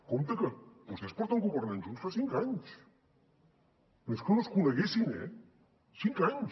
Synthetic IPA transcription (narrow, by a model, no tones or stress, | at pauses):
komt̪əkəbust̪espɔɾt̪əŋɡuβəɾmenʒunsfasiŋkaɲs | menskonoskunəɣesinɛ̰ | siŋkaɲ